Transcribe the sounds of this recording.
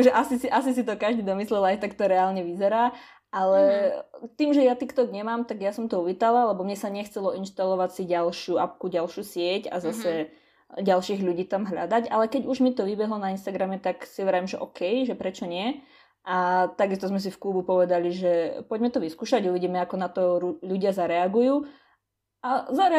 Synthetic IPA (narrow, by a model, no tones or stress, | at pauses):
akʒɛʔasisiʔasis̬it̪ɔkaʒd̪id̪ɔmislɛlajt̪akt̪ɔɾɛaːlɲɛʋizɛɾaː | ʔalɛt̪iːmʒɛjat̪iːxt̪ɔɡɲɛmaːmt̪aɡjasɔmt̪ɔuʋiːt̪alalɛbɔmɲɛsaɲɛxt͡sɛlɔinʃt̪alɔʋacsiɟalʃɪuap̚kuɟalʃjuːsɪɛca̰zasɛ | ɟalʃiːɣʎuɟiːt̪amɦʎa̰d̪aɟalɛkɛɟuʒmit̪ɔʋibɛɦlɔnainst̪aɡɾamɛt̪aksiɔʋɛɾaimʒɛʔɔkɛjʒɛpɾɛt͡ʃɔɲɪɛ | ʔat̪aɡist̪ɔzmɛs̬ifklubupɔʋɛd̪aliʒɛpɔɟmɛt̪ɔʋiskuːʃaɟuʋiɟiːmɛakɔnat̪ɔɾuʎuɟɪazaɾɛaɡujuː | azaɾɛ